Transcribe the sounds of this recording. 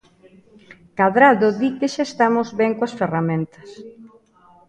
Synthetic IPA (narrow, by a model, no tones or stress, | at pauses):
kaðɾaðoðikeʃaest̪amʊzβɛŋkoɐsferamẽnt̪ɐ̥s